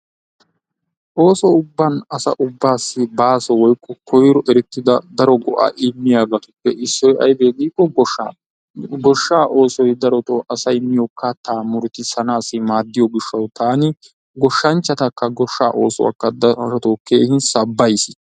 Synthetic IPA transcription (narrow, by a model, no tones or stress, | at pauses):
ʔo̞ːsɔʊbːɐnɐsɐ̰ʔʊbːaːsːɪbaːsɔwɔjkʼːɔkʰɔjɾɔʔɛɾɛt̪ːɪd̪ɐd̪ɐɾɔɡɔʔa̰ːʔɪmːɪjaːɡɐt̪ʊpːɛʔɪsːɔjɐ̰jbeːɡ̪iːkːɔɡɔ | ɡɔʃːaːʔo̞ːsɔjd̪ɐɾɔt̪oɐsɐjɪmːɪjɔkːɐt̪aːmʊɾt̪ɪsɐnaːsːɪmaːd̪ːɪjɔɡɪʃːɐwt̪aːnɪ | ɡɔʃːɐnt͡ʃːɐt̪ɐkːɐɡɔʃːa̰ːʔo̞̰ːsɔ̰wɐ̰kːɐd̪ɔt̪oːkːeːhɪnsɐbːɐjsɪ